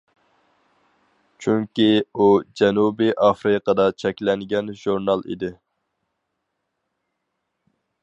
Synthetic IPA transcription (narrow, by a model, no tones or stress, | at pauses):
t͡ʃʰyŋkʲiud͡ʒɛnubiʔɑfɾɨqəd̪ɑt͡ʃʰɛkʲlɛŋɡʲɛnʒuɾnɑlˠḭd̪ɪ